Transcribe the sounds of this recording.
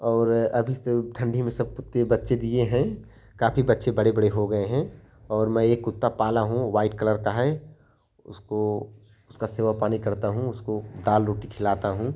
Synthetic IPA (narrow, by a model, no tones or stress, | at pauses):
ɔːɾɐbʱiseʈʰɐ̃ɳɖʱimẽsɐb̚kʊt̪ːebɐtːʃed̪ieɦɛ̃ | kaːfibɐtːʃẽbɐɽebɐɽeɦoɡɐeɦɛ̃ | ɔːɾmɛ̃eːkːʊt̪ːapaːlaɦũʋaːɪʈkɐləɾkaɦɛː | ʊ̰sko | ʊskaseːʋapaːnikɐɾt̪aɦũʊskod̪aːlɾoːʈikʰɪlaːt̪aɦũː